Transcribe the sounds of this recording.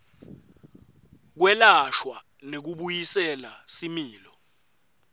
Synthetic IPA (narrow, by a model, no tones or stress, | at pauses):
k̬wɛlaʃwa | nek̬uɓujisɛlasimiːlɔ